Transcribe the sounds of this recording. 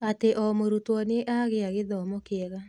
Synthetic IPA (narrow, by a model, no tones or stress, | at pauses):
ateʔɔmoɾutwɔneʔaɣeaɣeðɔmɔkeɛɣa